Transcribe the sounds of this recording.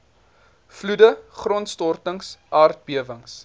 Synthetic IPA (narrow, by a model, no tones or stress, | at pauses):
fludəχrɔntstɔrtəŋsʔɑːrt̚biəvəŋs